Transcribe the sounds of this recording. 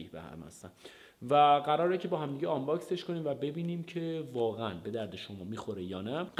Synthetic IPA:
iːbḛhæ̰mhæ̰st̪æ̰n | væɣæɾɒːɾecʲʰe̞bɒːɦæmd̪iːɟeɒmbɒːkse̞ʃkʰoniːmvæbe̞biːniːmcʰe̞vɒːɣeænbe̞d̪æɾd̪eʃo̞mɒːmiːxo̞ɾejɒːnæɢ

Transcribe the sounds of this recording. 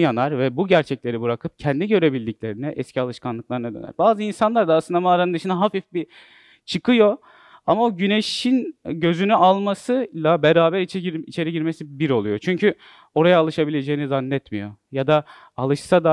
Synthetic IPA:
janaɾvɛbuɟæɾt͡ʃʰɛclʲe̞ɾibɯɾakʰɯp̚cʰɛnd̪iɟø̞ɾe̞bilʲd̪iclʲe̞ɾinɛʔɛscʰialˠɯʃkʰanlˠɯklˠaɾɯnad̪ø̰æ̰ɾbaːzɯinsanlˠaɾd̪asɯnd̪amaːɾanɯnd̪ɯʃɯnaɦafifbi | t͡ʃʰɯkʰɯjo̞ | amaoɟyne̞ʃinɟø̞zynyalˠmasɯlˠabeɾaːbæɾit͡ʃiit͡ʃʰe̞ɾiɟiɾme̞sibiɾo̞lˠujo̞t͡ʃʰyɲcʰy | o̞ɾajaːlˠɯʃabilʲe̞d͡ʒe̞jinizanːɛt̪mijo̞̰jad̪a | alˠɯʃsad̪a

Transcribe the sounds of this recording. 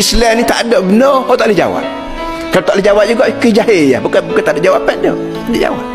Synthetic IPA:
islanit̪a̰ʔdoʔbənɔhot̪aʔlhd͡ʒa̰wa̰p̚ | kalot̪aʔləd͡ʒawap̚d͡ʒuɡaʔkəd͡ʒaɦeja̰bukabukant̪aʔdoʔd͡ʒawapɛʔdo̰ | adoʔd͡ʒa̰wa̰p̚

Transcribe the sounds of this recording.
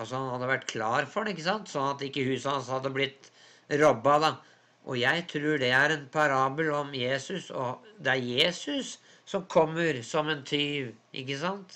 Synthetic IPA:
ɑsɔhɑnhɑd̪ːəʋæʈːkʰlɑːɾfɔɖɛɪkːəsɑnt̪sɔnːɑt̪ːɪkːəhʉːsɑhɑnshɑd̪ːəblɪt̪ː | ɾɔbːɑd̪ɑ | ʔɔjæɪt̪ʰɾʉːɖɛæɾɛnpʰɑɾɑːbəlɔmjeːsʉsɔ̰d̪ɛæɾjeːsʉsː | ɔmkʰɔmːəɾsɔmɛnt̪ʰyːʋʔɪ̰kːəsɑnt̪

